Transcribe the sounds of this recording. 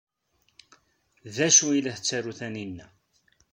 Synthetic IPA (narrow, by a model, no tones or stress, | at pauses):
ðæʃuilæθət͡sːæɾuθæninːæ